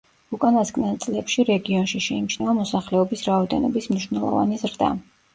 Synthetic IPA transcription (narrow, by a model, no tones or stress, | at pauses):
ukʼanasɡʼnɛnˠt̪sʼlɛpʃiɾɛɡiɔnʃiʃɛimt͡ʃʰnɛɔmɔsaχlɛɔbisɾaɔd̪ɛnɔ̰bismniʃwnɛlˠɔ̰va̰nizɾd̪a̰